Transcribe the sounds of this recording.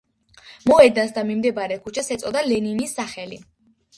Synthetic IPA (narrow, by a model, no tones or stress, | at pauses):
mɔɛd̪ansd̪amimd̪ɛbaɾɛkʰut͡ʃʰasɛt̪sʼɔd̪alɛninisːaχɛli